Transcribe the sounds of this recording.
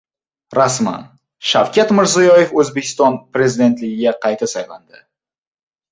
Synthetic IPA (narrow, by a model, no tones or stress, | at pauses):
ɾasma̰n | ʃawkʲʰat̪mɪɾzijɒje̞fɵzbe̞kʲʰɪ̥st̪ɒnpɾe̞zid̪e̞nt̪lɪɡʲɪɡʲaqʰɑjt̪ʰasajland̪ɪ